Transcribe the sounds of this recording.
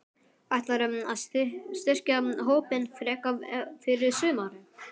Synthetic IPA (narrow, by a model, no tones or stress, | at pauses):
ajht̪laɾʏmaðst̪ɪr̥caɦoːwpɪnfɾɛːkafɪɾɪɾ̥sʏːmaɾɪ